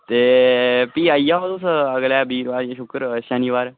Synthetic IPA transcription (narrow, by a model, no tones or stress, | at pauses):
t̪eːpiːajːaːʋət̪usəɡlaːbiːɾʋaːɾjaʃʊkɾʃəniʋaːɾ